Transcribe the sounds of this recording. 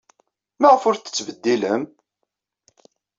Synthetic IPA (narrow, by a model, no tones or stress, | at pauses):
mæʁəfʊɾθə̥t͡sːvəd̪ːiləm